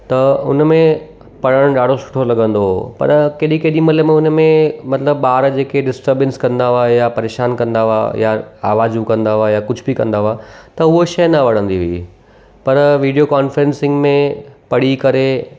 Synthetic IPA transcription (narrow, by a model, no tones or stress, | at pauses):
t̪ɐʊ̰nmẽ | pɐɽ̤əɽ̃ɗaːɽ̤osʊ̥ʈʰolɐɠə̃nd̪opɐ̰ɾkeːɗikeːɗĩmɐləmẽʊnmẽmɐt̪ləbɓaːɾd͡ʑeːkeɖɪsʈəɾbɪənskɐ̃nd̪aʋaːjapɐɾeːʃaːnkɐ̃nd̪aʋa̰jaaːʋaːzũkɐ̃nd̪aʋajakʊd͡ʑʱbikɐ̃nd̪aʋat̪ɐʊɦoʃɐjnɐʋɐɽə̃nd̪iʋɐi | pɐɾʋiːɖijokaːnfəɾẽnsɪ̃ŋɡmẽpɐɽ̤ikɐɾe